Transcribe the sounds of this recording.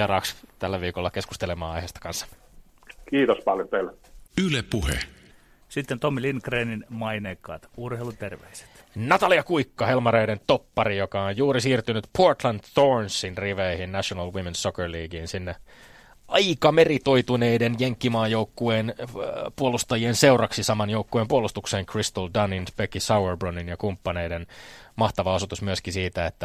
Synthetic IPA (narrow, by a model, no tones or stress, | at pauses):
ɑrɑːkst̪ælːæʋiːkolːɑkesku̥st̪elemɑːɑjheːst̪ɑkɑnsːɑ̥ | kiːt̪ospɑljot̪eilːæylepuhḛ | sit̪ːent̪omːilinkreːninmɑineːkːɑ̰ːt̪urheilut̪erʋḛise̥t̪nɑt̪ɑliɑkuikːɑhelmɑɾeident̪opːɑrijokɑojjuːɾisiːrt̪ynyt̪pʰort̪lɑnt̪θonsːinriʋeihinnæʃonɑlwimensokerliːɡiːnsinːe | ʔɑikɑmerit̪o̞it̪uneidenjeŋkːimɑːjoukːueːnpuolust̪ɑjiense̞urɑksisɑmɑnjoukːueːmpuolust̪ukseːŋkrist̪oldɑninpekisɑwerbroninjɑkumpːɑneidenmɑht̪ɑʋɑosut̪usmyøskisiːt̪æet̪ːæ